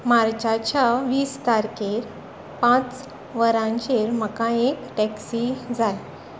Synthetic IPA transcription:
maɾt͡ɕat͡ɕaʋiːsk̪aɾkeɾ | pãt͡s | ʋəɾãɲt͡ɕeɾm̤əkãekʈɛksid͡zaj

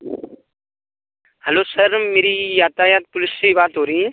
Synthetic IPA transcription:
həloːsəɾmeːɾijaːt̪aːjaːt̪̚pʊlɪssibaːt̪ɦoːɾiĩ

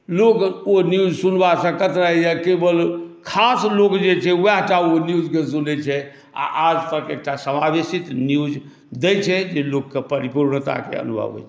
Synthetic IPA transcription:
lokonjud͡ʒsunbasə̃kət̪ɾəɦjəkebəlkʰaslokd͡ʒet͡ʃʰɛuwaɦʈaonjud͡ʒkesunɛt͡ʃʰɛ | a̰ʔad͡ʒt̪əkḛk̚ʈasəmabesit̪njud͡ʒ | d̪ɛt͡ʃʰɛd͡ʒelokːepəɾipuɾɳt̪a̰kḛə̰nubʱə̰bɛ̰t͡ʃʰɛ

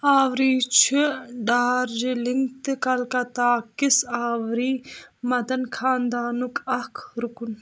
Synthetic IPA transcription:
aːʋɾiːt͡ʃʰiɖaːɾd͡ʒilɪŋɡt̪ɨkɐlkɐt̪aːkisaːʋɾiːmɐd̪ɐnkʰaːnd̪aːnukɐkʰɾukun

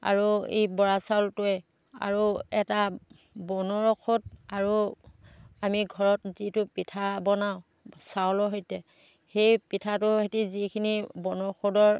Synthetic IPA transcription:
a̰ɹuḛjbɔɹasawltʊɛ | a̰ɹuɛta | bɔnɔɹkʰodaɹu | amiɡʱɔɹɔt̚zitʊpitʰabɔnaʊ̃ | sawlɔɦojtɛ | xejpitʰatʊɦetizikʰinibɔnɔɹxʰodɔɹ

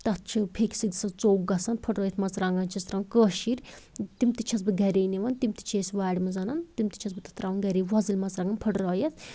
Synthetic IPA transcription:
t̪ɐt̪̚t͡ʃʰipʰekisid̪isɐt͡soːɡɡɐsɐnpʰɐʈɾɔːjɐt̪ʰmɐt͡sɾaːŋɡɐnt͡ʃʰɐst̪ɾaːnkəːʃiɾt̪imt̪it͡ʃʰɐsbɨɡɐɾeːniʋɐnt̪imt̪i̥t͡ʃʰeːsʋaːɽʲimɐzɐnɐnt̪imt̪i̥t͡ʃʰɐs̬bɨt̪ɐ̥t̪ɾaːʋunɡɐɾiːʋɐzilʲmɐt͡sɾaːŋɡɐnpʰɐʈɾoːjɐt̪ʰ

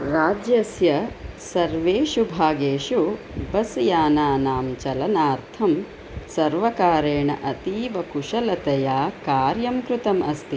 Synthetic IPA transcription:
ɾaːd͡ʒjɐsjɐsɐɾʋeːʃubʱaːɡeːʃu | bɐsjaːnaːnaːmt͡ʃɐlɐnaːɾt̪ʰɐm | sɐɾʋɐkaːɾeːɳɐ̰ʔɐt̪iːʋɐkuʂɐlɐt̪ɐjaːkaːɾjɐmkɾut̪ɐmɐst̪i

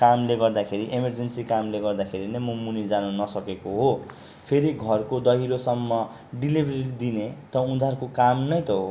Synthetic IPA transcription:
kamleɡʌrd̪akʰeɾiʔemʌrd͡zensikamleɡʌrd̪akʰeɾinʌjmumunid͡zanunʌsʌkekoɦo | pʰeɾiɡʱʌrkod̪ʌɦiɾosʌmːʌ | ɖilibʱɾiid̪inet̪ʌũd̪ʱarkokamnʌjt̪ʌɦo

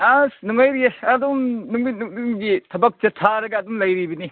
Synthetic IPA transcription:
anuŋajɾieɐdumnuŋminŋnuŋɡitʰɐbɐk̚t͡ʃɐtʰːaɾɐɡɐːdumlɐjɾibɐni

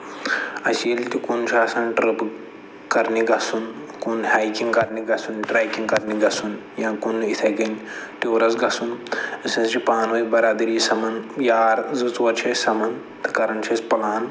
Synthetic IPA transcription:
ɐselʲt̪ikunt͡ʃʰaːsɐnʈɾɨp | kɐɾniɡɐsunkunhaːjkiŋɡkɐɾniɡɐsunʈɾaːjkiŋɡkɐɾniɡɐsunjãːkunit̪ʰɐɡɐnʲt̪eːɾɐzɡɐsunɐsɐ̃nsɾipaːnʋɐjbɐɾaːd̪ɐɾisɐmɐnjaːɾzɨt͡sʋɐɾt͡ʃʰɐsɐmɐn | t̪ɨ̥kɐɾɐnt͡ʃʰɐspɐlaːn

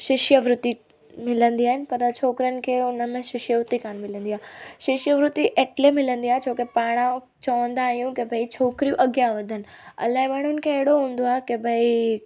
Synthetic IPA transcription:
ʃɪʃjəʋɾʊt̪i | mɪlə̃nd̪iaːɦɪnɪ̆pɐɾt͡ɕʰoːkɾjənɪ̆kʰeːʊnəmẽʃɪʃjəʋɾʊt̪ikʰaːɽ̃mɪlə̃nd̪iaːɦʃɪʃjəʋɾʊt̪iʔeːʈlemɪlə̃nd̪iaːɦet͡ɕʰoːkepaːɽ̃ã | t͡ɕɐʋə̃nd̪aːɦijũkebʱɐit͡ɕʰoːkɾijũʔɐɡjaʋɐd̪ʱənɪ̆ | ɐ̰laːɦemaːɳ̤ʊnɪ̆kʰeːɦɪɽoɦũːn̆d̪oaːɦekebʱɐi

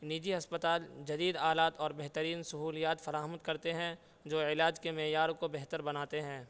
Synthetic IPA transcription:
niːd͡ʒiɦɐspət̪aːld͡ʒɐd̪iːd̪aːlaːt̪ɔːɾbɛɦt̪əɾiːnsɐɦuːlijaːt̪fɐɾaːɦəmət̪kɐɾt̪eɦɛ̃ | d͡ʒoːɪlaːd͡ʒkemɛːjaːɾõkobɛɦt̪əɾbɐnaːt̪eɦɛ̃ː

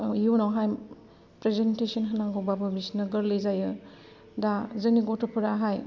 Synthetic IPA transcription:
junawɦaj | pɾezentesɐnɦɐnaŋɡɔbabɯbisnɐɡɐɾlejzajɯ | dazɯniɡotʰɔpʰuɾaɦaj

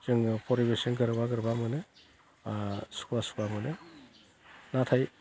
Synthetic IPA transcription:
zɯŋpʰɔɾibesiŋɡɯɾbaɡɯɾbamɯnɯ | su̥kʰbasu̥kbamɯnɯ | natʰaj

